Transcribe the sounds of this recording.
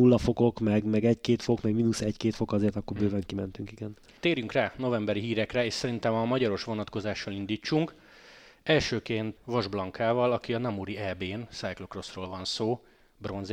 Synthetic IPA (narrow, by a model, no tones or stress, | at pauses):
ulːɒfo̞ɡo̞kmɛɡmɛɡɛckeːt̪fokmɛɡminusɛckeːt̪fo̞kɒzeːrt̪ɒkːoɾbøːvɛŋkimɛnt̪yŋkiɡɛn | t̪eːɾjyŋkraːno̞vɛmbɛɾiɦiːɾɛkrɛeːʃsɛɾint̪ɛmɒmɒɟɒɾo̞ʃʋo̞nɒt̪ko̞zaːʃːɒlind̪iːt͡ʃːuŋk | ɛlʃøːkeːnt̪ʋɒʒblɒŋkʰaːvɒlɒkiɒnɒmuɾiɛbeːnsajklokro̞sroːlvɒnsoː | bro̞nz